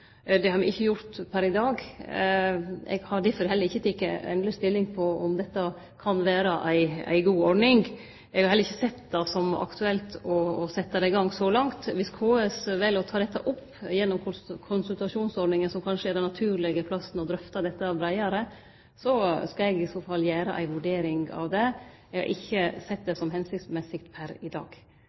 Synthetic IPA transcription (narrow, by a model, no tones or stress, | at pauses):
d̪ɛhɑɾmɛɪçːəjʊɾt̪pʰæɾɪd̪ɑːɡ | ɛ̰ɡhɑɾd̪ɪfɔɾɪhɛləɾɪçːət̪ʰɪkːəɛ̰nləst̪ɪlːɪŋpʰɔɔ̰md̪ɛt̪ːɑ | kʰɑnʋæːɾɑʔæɪæ̰ɪɡuːɔɖnɪŋ | ɛɡhɑɾhɛlːɾɪçːəsɛt̪ːd̪ɑsɔmɑ̰kt̪ʉɛlt̪ɔːsɛt̪ːɑd̪æɪɡɑŋsɔlɑŋt̪ʋɪskʰoːɛsʋɛlːɔt̪ʰɑːd̪ɛt̪ːɑʔɔpː | jɛnːɔmʰkʰʊnsʉlt̪ɑʂuːnsɔɾɖnɪŋənsɔmkʰɑnʂəæɾɖ̪ɛnːɑt̪ʰʉːɾlɪɡəpʰlɑsnɔd̪ɾœft̪ɑd̪ɛt̪ːɑbɾæɪɑɾə | sɔskɑɛɡɪsoːfɑlːjæːɾə̰ʔæ̰ɪʋʉɖeːɾɪŋɑ̰ʋd̪ɛ | ɛɡɑ̰ɾʔɪ̰çːəsɛt̪̚ːd̪ɛsɔmɦɛnsɪksmɛsɪk̚t̪pʰæɾɪd̪ɑ̰ːɡ̥